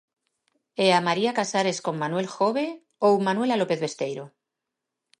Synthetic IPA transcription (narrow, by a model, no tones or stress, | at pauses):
eamaɾiakasaɾe̞sko̞mmanwe̞lxo̞βe̞ | oumanwelalo̞pe̞θβe̞st̪e̞jɾo